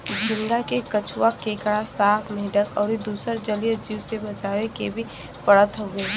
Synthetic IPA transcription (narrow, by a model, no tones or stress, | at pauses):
d͡ʒɪ̃nɡ̪akekət͡ʃʰʊwakeːkɽasaːt̪ʰmeːɖəkɔːɾed̪uːsəɾd͡ʒəlijəd͡ʒiːwsebɐt͡ʃaːwekebʱi | pəɽət̪ɦoːɡeː